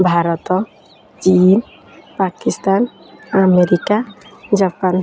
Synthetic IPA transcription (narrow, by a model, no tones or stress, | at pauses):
bʱaɾɔt̪ɔ | t͡ʃin | pakist̪an | ameɾikad͡ʒapan